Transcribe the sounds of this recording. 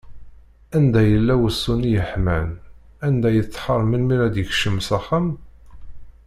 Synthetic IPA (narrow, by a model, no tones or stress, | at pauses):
ænd̪æjəlːæwəsːunijəħmæn | ænd̪æjət͡sːħəɾˤmənmiɾæd̪jəçʃəmsæχəm